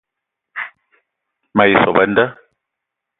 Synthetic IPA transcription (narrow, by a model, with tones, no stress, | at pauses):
ma˨i˨sɔ˨ba˦n˦da˦